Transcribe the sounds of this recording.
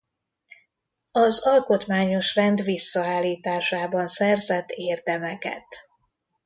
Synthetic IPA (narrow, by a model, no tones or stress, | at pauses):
ɒzɒlko̞t̪maːɲo̞ʃrɛnd̪ʋvisːɒaːlːiːt̪aːʃaːbɒnsɛrzɛt̪ːeːrd̪ɛmɛkɛ̰t̪